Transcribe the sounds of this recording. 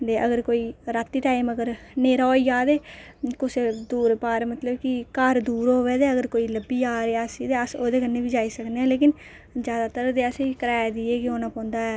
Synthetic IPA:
d̪eːʔəɡəɾkoːiːɾat̪ːiːʈaːiməɡəɾ | neːɾaːijaːd̪eː | kʊsed̪uːɾpaːɾmət̪ləbkɪkaɾd̪uːɾɦoːʋeːd̪eːəɡəɾkoːiːləbːiːjaːɾeasiːd̪eːəsoːd̪eːkənːeːbiːd͡ʒaːiːsəkneːɛ̃ːleːkɪn | d͡ʒjaːd̪aːt̪əɾd̪eːəsekəɾɛːd̪iːeːkɪoːnãːpɔ̃ːnd̪aːɛː

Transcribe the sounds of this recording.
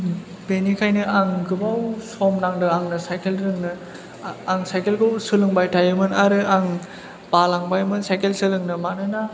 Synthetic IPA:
benikʰajnɯaŋɡɯbawsɔmnaŋdɯaŋnɯsajkʰelɾɯŋnɯ | aŋsajkelɡɯwsɯlɯŋbajtʰajɯmɯnaɾɯaŋ | b̥alaŋbajmɯnsajkʰelsɯlɯŋnɯmanɯna

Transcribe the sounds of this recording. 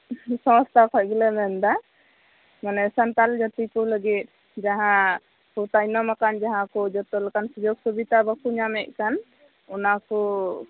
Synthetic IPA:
sɔ̃st̪ʰakʰɔt̚ɡɛlɛmɛnd̪a | manɛsant̪ald͡ʒat̪ikɔləɡit̪̚ˀ | d͡ʒaɦã | kɔt̪ajnɔmakand͡ʒaɦãkɔd͡ʒɔt̪ɔlakansud͡ʒɔɡsubit̪abakuɲamɛʔ̚kan | ɔnakɔ

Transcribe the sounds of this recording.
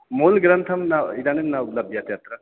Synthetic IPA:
molɡɾənt̪ʰəmnaidanemnaupləb̚d̪jat̪jat̪ɾə

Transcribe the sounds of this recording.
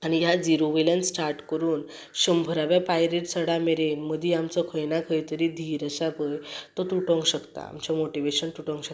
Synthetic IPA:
aɽ̃ijad͡ziɾoʋelansʈaɾʈkəɾuːn | ɕəmbʱəɾaʋjapajɾeʈsəɽameɾenməd̪ʱiamt͡sɔkʰəjnakʰəjt̪əɾid̪ʱiɾəɕapəjt̪ɔt̪uʈɔ̃ŋɡɕəkt̪a̰a̰mt͡ɕamoʈiʋeɕənt̪uʈɔ̃ŋɡɕək

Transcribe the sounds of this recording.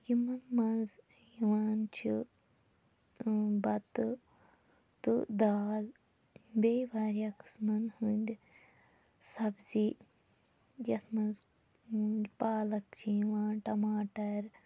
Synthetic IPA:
jimɐnmɐnz | jiʋaːnt͡ʃʰi | bɐt̪ɨ | t̪ṵd̪aːl | beːjʋaːɾjaːkɨ̥smɐnhunʲd̪ʲ | sɐbzi | jɐt̪ʰmɐnz | nʲpaːlɐk̚t͡ʃʰijiʋaːnʈɐmaːʈɐɾ

